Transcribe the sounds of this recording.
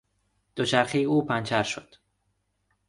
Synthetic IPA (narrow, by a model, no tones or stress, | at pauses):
d̪̥ot͡ʃʰæɾxijuːpʰænt͡ʃʰæɾʃod̪̥